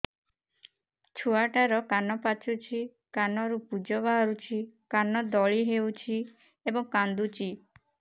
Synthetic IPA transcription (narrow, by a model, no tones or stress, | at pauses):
t͡ʃʰuaʈaɾɔkanɔpat͡ʃʰut͡ʃʰi | kanɔɾupud͡ʒɔβaɦɔɾut͡ʃʰikanɔd̪ɔɭiɦeut͡ʃʰi | ebɔŋkand̪ut͡ʃʰi